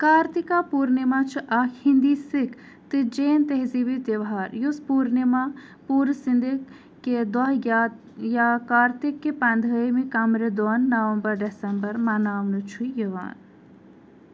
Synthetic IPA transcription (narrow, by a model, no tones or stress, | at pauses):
kaːɾt̪ikapuːɾnimat͡ʃʰuʔakʰhind̪isik | t̪ɨd͡ʒeːnt̪eɦzibit̪eʋɦaːɾjuspuːɾnima | puːɾsind̪i | kːed̪ɔɦja | jaːkaːɾt̪ikːepɐnd̪ʱəmikɐmɾed̪onːɐʋɐmbɐɾɖesɐmbɐɾmɐnaːʋnut͡ʃʰujɐʋa̰ːn